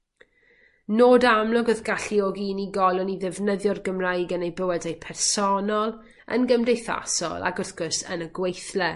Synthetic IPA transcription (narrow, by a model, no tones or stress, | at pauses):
noːdamlˠɔɡɔðɡaɬiɔɡiːniɡɔlˠʊniðɛvnəðjɔrɡəmrajɡənejbəwɛdejpʰɛrsɔnɔlˠ | ə̰nɡəmdejθa̰sɔ̰lˠa̰ɡʊrθɡ̥ʊsə̰nəɡwejθlɛ